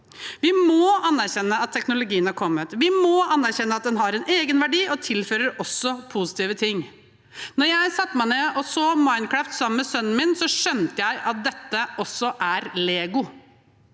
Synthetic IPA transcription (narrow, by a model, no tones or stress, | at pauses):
ʋɪmoːɑnːæɾçɛnːəɑt̪ʰːɛknʊlʊɡiːənhɑɾkʰɔmːət̪ʋɪmoːɑnːæɾçɛnːəɑt̪̚d̪ɛnɦɑɾɛneːɡənʋæɖiːɔt̪ʰɪlføːɾəɾɔsːɔpʰusɪ̥t̪iːʋət̪ʰɪŋː | nɔɾjæɪsɑt̪ːmæɪneːʔɔsoːmɑɪn̚kʰɹæft̪sɑməmɛsœnːn̩mɪnsɔʂœnt̪əjæɪʔɑt̪̚d̪ɛt̪ːəɔsːɔʔæɾleːɡʊ